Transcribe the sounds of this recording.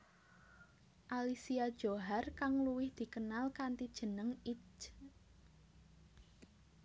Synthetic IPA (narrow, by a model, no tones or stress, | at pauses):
ʔalisiad̥ʒ̥o̤ɦarkaŋluwɪhd̪̥i̤kənalkant̪id̥ʒ̥ə̤nəŋit͡ʃ